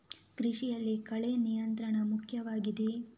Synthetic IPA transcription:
ɡɾiʂijɐlːikɐɭenijɐnt̪ɾɐɳɐmukʰjɐʋaːɡid̪e

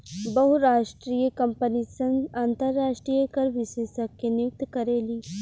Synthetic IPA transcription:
bɐɦuɾaːʃʈɾiːjəkɐmpənisənaːnt̪əɾːaːʃʈɾijəkəɾʋɪʃeːsəkːenjʊk̚t̪kɐɾeːliː

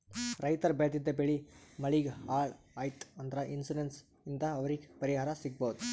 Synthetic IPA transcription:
ɾɐjt̪ɐɾbeːd̪id̪ːɐbeɭimɐɭiɡhaːɭ | ɐjt̪ɐnd̪ɐɾɐʔinsuɖens | ind̪ɐːʋɐɾiɡepɐɾiɦaːɾɐsiɡ̚bɐːd̪u

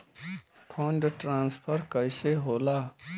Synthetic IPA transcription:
pʰʌɳɖʈɾãnspʰʌɾkʌjseɦola

